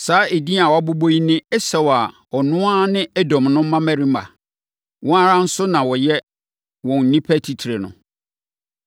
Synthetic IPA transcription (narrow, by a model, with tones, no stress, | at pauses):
saː˨˦e˨di˦a˨wa˦bo˦bo˦i˦nɪ̃˦ɛ˦sɛ˨wa˨ | ɔ˨nʊ̃˦a˦nɪ̃˦ɛ˦dɔ̃˨mnʊ̃˦m̩˦mã˦mæ̃˦ɾĩ˦ma̰˨ | wɔ̃˦a˦ɾã˦n̩˦sʊ˦nã˨wɔ˨jɛ˦ | wɔ̃˨n̩˨nĩ˦pʰæ˦tʰi˨tʰi˨ɾe˨nʊ̰̃˨